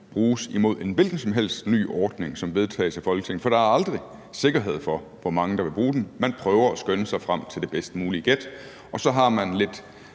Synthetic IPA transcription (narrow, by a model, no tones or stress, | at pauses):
b̥ʁuːsimo̝ð̰ˠe̝nʋe̝lɡ̥n̩sɒ̽mɦel̰sd̥ny̰ːʔɒːd̥ne̝ŋsɒ̽mʋe̝ð̞ˠt͡sʰɛ̰ːɪsæfɒ̽lɡə̥t͡sʰe̝ŋ̰n̩fɒ̽ɾ̥ɑ̈æɐɑ̈ld̥ʁi | se̝ɡ̥ɐɦe̝ð̞̰ˠfɒ̽ | ʋɒmɑ̈ŋəd̥ɑ̈ʋe̝b̥ʁuːd̥enmænpʰʁœːʊɐæsɡ̥ønəsɑ̈ɪfʁam̰t͡sʰe̝ld̥e̝b̥esd̥muːliəɡ̥ed̥ | ɒ̽sɒ̽ɦɑ̈mænle̝d̥